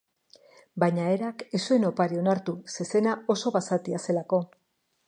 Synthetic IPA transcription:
baɲaeɾakesue̞no̞paɾio̞naɾt̪use̞se̞nao̞so̞βasat̪iase̞lako̞

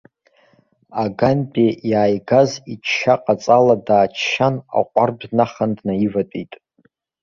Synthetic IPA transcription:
aɡanpʼejaːjɡazit͡ʃʰʃaqʼat͡sʼaladaːt͡ʃʰʃana̰qʷʼarbʷnaχandnaivatʼitʼ

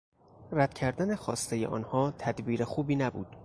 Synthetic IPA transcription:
ræd̪̥cʰæɾd̪æne̞xɒːst̪ejḛʔɒ̰ːnhɒːt̪ʰæd̪biːɾexuːbiːnæbṵːd̪̥

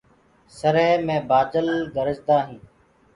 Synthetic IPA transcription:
səɾeːmẽːbaːd͡ʒəlɡəɾəd͡ʒd̪aːɦĩː

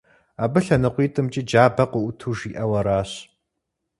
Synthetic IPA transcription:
aːbɨɬɐnɨqʷiːtʼɨmt͡ʃʼid͡ʒaːbɐqʷʊʔʊtʰuːʒiːʔɐwɐɾaːɕ

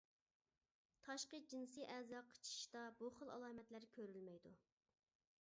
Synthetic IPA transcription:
t̪ʰɑʃqəd͡ʒinsɨʔɛzɑqʰːə̥t͡ʃʰi̥ʃd̪ɑbuχəlˠɑ̰lˠɑːmɛt̪læɾkʲʰøɾylmɛjd̪u

